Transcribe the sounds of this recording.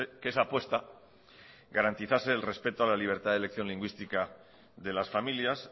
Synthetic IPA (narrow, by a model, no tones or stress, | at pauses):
ekesaːpwe̞st̪a | ɡaɾant̪iθase̞ːlre̞spe̞t̪oalaliβ̞e̞ɾt̪aðele̞kθjo̞nliŋɡwist̪ika | ðe̞lasfamiljas